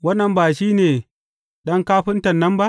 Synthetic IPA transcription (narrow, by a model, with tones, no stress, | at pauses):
wɐ˦nːɐ˨mbaː˨ʃiː˦neː˨ | ɗɐ˦ŋkaː˦ɸɪ˦ntɐ˨nːɐ˦mba˦ʔ